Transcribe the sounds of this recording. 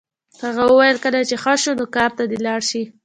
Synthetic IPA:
haɣawəwajəlkəlat͡ʃexaʃonokɑɾt̪ad̪elɑɽʃi

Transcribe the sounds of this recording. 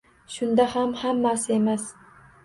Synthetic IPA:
ʃʊnd̪ahamhamːasɪe̞mas

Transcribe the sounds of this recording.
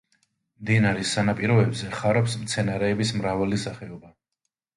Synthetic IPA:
md̪inaɾisːanapʼiɾɔɛbzɛχaɾɔpsmt̪sʰɛnaɾɛːbismɾavalisaχɛɔba

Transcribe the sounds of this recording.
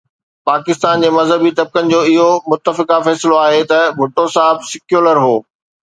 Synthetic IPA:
paːkɪst̪aːnd͡ʑeːmɐzɦəbit̪ɐb̚kənɪ̆d͡ʑoːɪɦomʊt̪ːəfɪkafɛːsɪloaːɦet̪ɐbʱʊʈːosaːɦɪbsɪkjuːləɾɦoː

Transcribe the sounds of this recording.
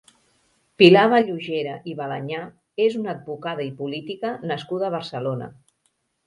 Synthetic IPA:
pilaβaʎuʒeɾəʔiβalaɲa | ezunəːd̪̚bukaðəipulit̪ikənəskuðəːβərsəlonə̰

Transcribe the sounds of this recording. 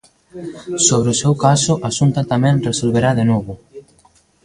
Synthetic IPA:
soβ̞ɾeʊsewkasʊʔasunt̪at̪amɛ̃nresolβeɾaðenoβʊ

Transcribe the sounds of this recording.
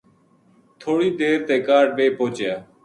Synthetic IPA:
t̪ʰoːɽiːd̪eːɾt̪eːkaːɖ̚ʋeːpoːt͡ʃjaː

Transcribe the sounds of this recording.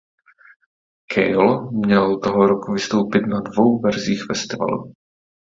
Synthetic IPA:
kʰɛjlmɲɛlt̪oɦoɾokuvɪst̪o̞wpɪt̪nadvo̞wvɛɾziːxfɛst̪ɪva̰lṵ

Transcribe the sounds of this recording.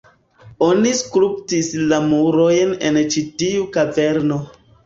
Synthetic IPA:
o̞niskɾup̚tislamuɾojnent͡ʃitiukave̞ɾno

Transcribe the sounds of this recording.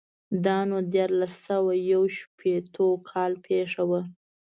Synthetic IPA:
d̪ɑnod̪jɑɾlasawajawʃpʰet̪ʰokʰɑlpʰeʂawə

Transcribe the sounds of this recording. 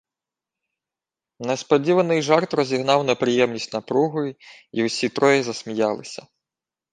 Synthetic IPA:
nespɔdʲiʋɐnɪjʒɑrt̪ɾɔzʲiɦnɑwnɐpɾɪjɛmnʲisʲtʲnɐpɾuɦʊji | iwsʲit̪ɾɔjɪzɐsʲmʲijɑlˠɪsʲɐ̥

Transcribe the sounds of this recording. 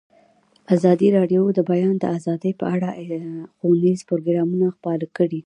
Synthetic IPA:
azɑd̪iɾɑɖjod̪əbajɑnd̪əazɑd̪əjpəaɽaxonizpʊɾoɡɾɑmunaxpɑlakəɽi

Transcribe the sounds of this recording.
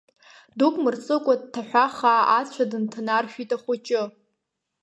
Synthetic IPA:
dukʷʼmɨrt͡sʼɨkʷʼad̚tʰaħᶣʷaχaːat͡sʷʰadɨntʰanarʃᶣitʼaχʷʊt͡ʃʼɪ

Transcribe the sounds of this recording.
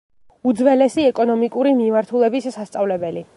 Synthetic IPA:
ud̪zvɛlɛsiɛkʼɔnɔmikʼuɾimimaɾt̪ʰulɛbisːast̪sʼavlɛbɛli

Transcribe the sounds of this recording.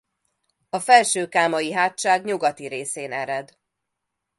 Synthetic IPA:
ɒfɛlʃøːkaːmɒjiɦaːt̪ʃaːɡɲuɡɒt̪iɾeːseːnɛɾɛd̪

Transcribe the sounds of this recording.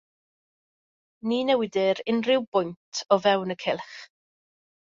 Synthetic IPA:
niːnɛwɪdɪɾɪnrɪwb̥ʊjntʰɔvɛwnəkʰɪlˠχ

